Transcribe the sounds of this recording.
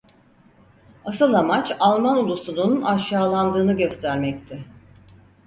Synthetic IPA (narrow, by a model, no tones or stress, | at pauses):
asɯlˠamat͡ʃalˠmanulˠusununaʃaːlˠand̪ɯːnɯɟø̞st̪ʰæɾmɛct̪ʰɪ